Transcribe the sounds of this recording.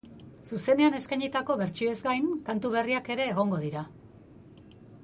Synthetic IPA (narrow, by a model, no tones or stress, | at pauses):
suse̞ne̞ane̞skajɲit̪ako̞βe̞ɾt͡ʃiezɡajnkant̪uβe̞riake̞ɾe̞ːɣ̞o̞ŋɡo̞ðiɾa